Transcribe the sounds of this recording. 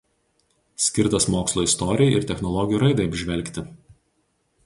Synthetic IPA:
sʲkʲɪɾt̪ɐsmoːkslˠoːɪst̪ɔɾʲɪjɛɪ̰ɾt̪ʲɛxnɔlˠɔɡʲɪjuːɾɐɪd̪ɐɪɐbʲʒʲʋʲɛlʲˑkʲt̪ʲɪ

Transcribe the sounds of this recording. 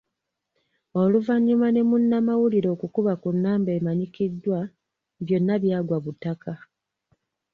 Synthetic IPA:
o̞luvaɲːumane̞munːamawuliɾo̞ːkukuβakunːaːmbe̞ːmaɲikidːwa | βjo̞nːaβjaːɡwaβutakʰa

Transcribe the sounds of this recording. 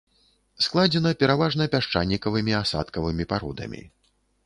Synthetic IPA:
sklˠad͡zʲɛnɐpʲɛɾavaʐnɐpʲaʂt͡ʂanʲːikɐvɨmʲiasa̰t̪kɐvɨmʲipaɾɔ̰d̪ɐ̰mʲḭ

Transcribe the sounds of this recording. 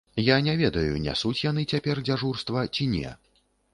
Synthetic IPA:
janʲɛvʲɛd̪ɐjṵnʲɛ̰sut͡sʲjan̪ɨt͡sʲapʲɛrd͡zʲaʐurst̪vɐt͡sʲinʲɛ̰

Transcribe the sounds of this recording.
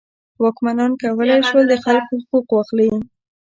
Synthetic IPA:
wɑkmanɑnkawəlajʃwəld̪əxalkohʊquqwɑxli

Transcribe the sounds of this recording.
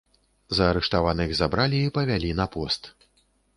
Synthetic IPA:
zɐːɾɛʂt̪avanɨɣzabɾalʲiːpɐvʲalʲinɐpɔst̪

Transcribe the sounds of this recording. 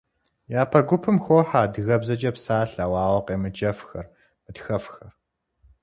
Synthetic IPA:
jaːpʰɐɡʷʊpʰɨmxʷɔħaːdɨɣɐbzɐd͡ʒɐpsaːɬawɑːwɐqʼeːmɨd͡ʒɐfxɐr | mɨdxɐfxɐr

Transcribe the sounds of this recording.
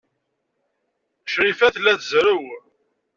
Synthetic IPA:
ʃɾifæθlːæθzɾəw

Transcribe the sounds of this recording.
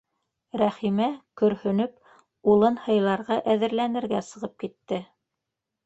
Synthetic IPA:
ɾæχimækɵ̆ɾhɵ̆nɵp̚ | ulˠɤnhɤ̆jlˠɑɾʁɑʔæðɘ̆ɾlænɘ̆ɾɡæsɤ̆ʁɤp̚kit̪ːɘ

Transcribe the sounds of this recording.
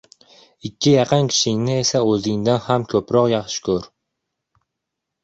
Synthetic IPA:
ɪkʲʰːɪjɑqʰɨnkʲʰɪ̥ʃɪŋnɪesaɵzɪŋd̪anhamkʲʰɵpɾɒqjɑχʃɪ̥kʲʰɵɾ

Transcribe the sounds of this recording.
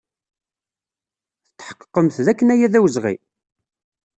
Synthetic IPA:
θə̥t̪ːħə̥qːqːəmθðækːənæjæðæwəzʁḭ

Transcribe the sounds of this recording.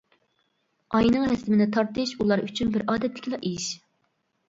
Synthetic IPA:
ɑjnɨŋhɛsɪmɪnɪt̪ʰɑɾt̪ɨʃulˠɑɾyt͡ʃʰynbɪɾɑːd̪ɛt̪ʰːɪ̥kʲilˠɑʔeʃ

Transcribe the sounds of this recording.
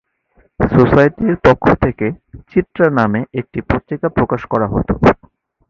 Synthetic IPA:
sosajʈiɾpokʰːot̪ʰeket͡ɕit̪ːɾanameʔek̚ʈipɾot̪ːikapɾokaʃkɔɾaɦo̰t̪o

